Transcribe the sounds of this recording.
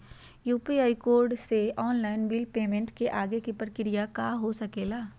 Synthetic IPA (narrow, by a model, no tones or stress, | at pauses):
juːpiaːɪkoːɾɖseɔːnlaːɪnbilpeːmẽɳʈkeʔaːɡekipəɾkɪɾijakaɦosɐkeːlaː